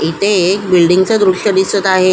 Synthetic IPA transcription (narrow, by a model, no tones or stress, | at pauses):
it̪ʰeːkbilɖiŋɡt͡səd̪ɾuɕəd̪isət̪aɦe